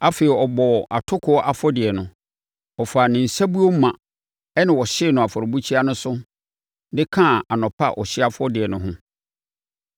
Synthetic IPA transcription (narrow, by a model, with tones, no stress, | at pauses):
a˦fe˨ɛ˨ɔ˨bɔ˨ʔa˨tʰʊ˦kʰʊ˦ɔ˦ʔa˨fɔ˦dɪ˨ɛ˨nʊ̃˨ | ɔ˨faː˨nɪ̃˨n̩˨sa˦bu˦o˦mã˨ | ɛ˦nɪ̃˨wɔ˨ɕɪ˦˨nʊ̃˨a˨fɔ˨ɾbu˦t͡ɕʰi˦a˦nʊ̃˦sʊ˦ | dɪ˦kʰã˦˨a˨nɔ̃˨pʰa̰˦˨ʔɔ˨ɕɪ˦a˦fɔ˦dɪ˨ɛ˨nʊ̃˨ɦʊ̃˦